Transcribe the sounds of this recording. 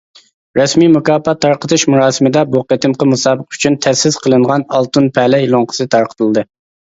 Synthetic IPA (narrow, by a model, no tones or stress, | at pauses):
ɾɛsmimukɑːpɑt̪ʰːɑɾqət̪ʰɨʃmuɾɑːsɨmɨd̪ɛbuqet̪ɨmqəmusɑːbəqy̥t͡ʃʰynt̪ʰɛsɪz̥qʰəlˠɨɴʁɑnɑlˠt̪unpʰɛlɛilˠoŋqʰə̥sɨt̪ʰɑɾqʰə̥t̪ʰɨlˠd̪ɨ